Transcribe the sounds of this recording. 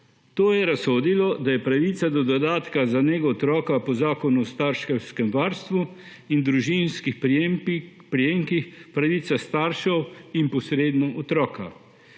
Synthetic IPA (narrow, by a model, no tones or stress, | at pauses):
t̪oːjɛɾasoːd̪ilɔd̪ajɛpɾaʋiːt̪sad̪ɔd̪ɔd̪aːt̪kazaneːɡɔɔt̪ɾɔːkapɔzaːkɔnuɔst̪aɾʃkɛwskɛmʋaːɾst̪ʋu | ind̪ɾuʒinskix | pɾijeːŋkixpɾaʋiːt̪sast̪aɾʃɛwinpɔsɾeːd̪nɔʔɔt̪ɾɔːka̰